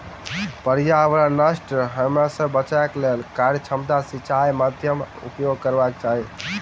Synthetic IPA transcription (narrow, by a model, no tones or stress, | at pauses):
pəɾjaəbɾanəsʈɦəmɾasəbːət͡ʃaklelkaɾjət͡ʃʰəmt̪asit͡ʃʰajmad̪ʱjəm | ṵpjoɡ̚kəɾbak̚t͡ʃaɦi